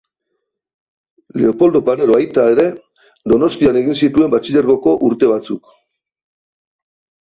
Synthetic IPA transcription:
le̞o̞po̞ld̪opane̞ɾoajt̪aeɾe̞ | d̪o̞no̞st̪iane̞ɣinsit̪ue̞mbat͡siʎeɾɣo̞ko̞ʔuɾt̪e̞β̞at͡suk

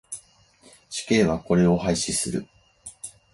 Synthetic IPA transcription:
ɕi̥ke̞ːβako̞ɾe̞o̞haiɕisɨɾɯ̟̰

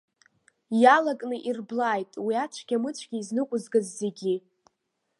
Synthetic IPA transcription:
jalakʼnɨʔirblaːjtʼwiat͡ʃʷʰɡ̥ʲamɨt͡ɕʷʰʼɡʲiːznɨkʷʼʊzɡazːe̞ɡʲi

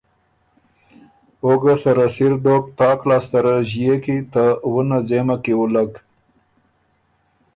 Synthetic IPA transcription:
oɡasaɾasiɾd̪ok̚t̪ɑklɑst̪aɾaʒijekit̪awunad͡zemakewulaɡ

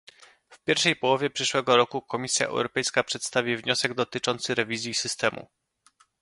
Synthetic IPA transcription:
fpʲjɛɾfʂɛjpɔwɔvʲjɛpʂɘʂwɛɡɔɾɔkukɔmʲisʲja̰ʔɛ̰wɾɔpɛjskapʂɛt̪st̪avʲivɲɔsɛɡd̪ɔt̪ɘt͡ʂɔnt̪sɘɾɛvʲizʲjisɘst̪ɛmṵ

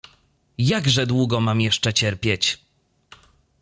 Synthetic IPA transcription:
jaɡʐɛd̪wuɡɔmamjɛʂt͡ʂɛt͡ɕɛɾpʲjɛt͡ɕ

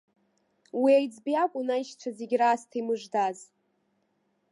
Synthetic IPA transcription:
wiajd͡zbiakʷʼʊnajʃt͡ʃʷʰazeɡʲraːstʰimɨʐdaz

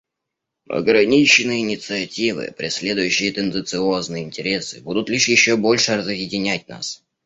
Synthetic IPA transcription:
ɐ̰ɡɾɐnʲit͡ɕɪnːɨjəɪnʲɪt̪sɨɐtʲivɨ̰pɾʲɪsʲlʲe̞d̪ʊjʉɕːɪjət̪ənd̪ɨnt̪sɨo̞znɨjəɪnʲtʲɪɾʲe̞sɨbud̪ʊt̪lʲiʂjɪɕːobo̞lʲʂɨrəzjɪdʲɪnʲæt̚ʲna̰s

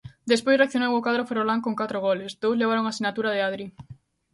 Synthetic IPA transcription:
d̪espojsreak̚θjonewokaðɾoferolaŋkoŋkat̪ɾoɣɔlesd̪owzleβ̞aɾoŋasinat̪uɾað̞eaðɾi

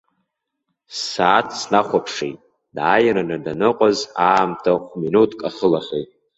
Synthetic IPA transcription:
saːtʰsnaχʷapʰʂejtʼ | dajaɾanɨdanɨqʷʼazaːmtʰaχʷminutʰkʼaχəlaχʲejtʼ

